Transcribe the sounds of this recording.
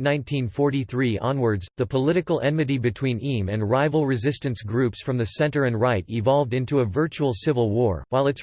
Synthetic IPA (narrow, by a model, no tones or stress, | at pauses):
nãɪ̃ntʰĩnfɔɹɾiθɹiʔɑ̰̃nwə˞dzðɨpʰəlɪɾɨkl̩ˠʔɛ̃nmɨɾibɨtʰw̥ĩnĩmɨ̃nɹaɪvl̩ˠɹɨzɪstɨ̃nsɡɹʉpsfɹʌ̃mðɨsɛ̃ntə˞ɨ̃nɹaɪɾɪvɑlˠvdɪ̃ntuəvɜ˞t͡ʃul̩ˠsɪvl̩ˠwɔɹwaɪlˠɨts